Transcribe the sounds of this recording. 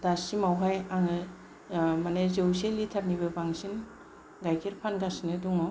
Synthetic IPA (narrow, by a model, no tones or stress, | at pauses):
d̥asimawɦajaŋɯ | manezewselitʰaɾnibɯbaŋsin | ɡajkʰiɾpʰanɡasinɯduŋɔ